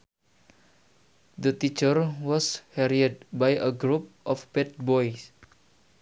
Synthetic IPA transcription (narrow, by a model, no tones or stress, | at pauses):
d̪ət̪it͡ʃərwɔshɛɾiəd̚bajʔəɡɾup̚ʔɔfbɛt̪̚bɔjs